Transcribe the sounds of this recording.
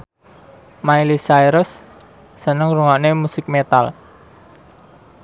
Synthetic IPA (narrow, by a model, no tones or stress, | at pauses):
mailisajɾʊsː | ənəŋɾuŋɔʔnemusɪk̚met̪al